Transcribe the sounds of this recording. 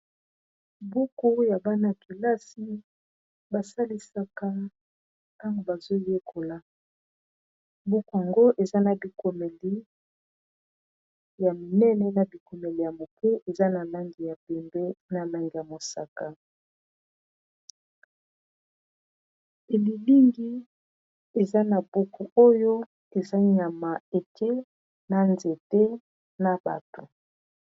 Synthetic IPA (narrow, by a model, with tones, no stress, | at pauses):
bu˦ku˦ja˨ba˦na˦ki˨la˦si˦ | ba˨sa˦li˦sa˨ka˦ | ta˦ŋɡo˨ba˨zo˦je˦kʰo˨la˨ | bu˦ku˦a˨ŋɡo˦ʔe˨za˦na˨bi˨ko˨mɛ˨li˦ | ja˨mi˨nɛ˦nɛ˦na˨bi˨ko˨mɛ˨li˨ja˨mo˨pe˦ʔe˨za˦na˨la˦ŋɡi˨ja˨pɛ˨mbɛ˦na˨la˦ŋɡi˨ja˨mo˨sa˨ka˨ | e˨li˨li˦ŋɡi˦ | e˨za˦na˨bo˦ku˨o˦jo˦ | e˨za˦ɲa˨ma˨e˨te˦ | na˨nze˨te˦ | na˨ba̰˨to˨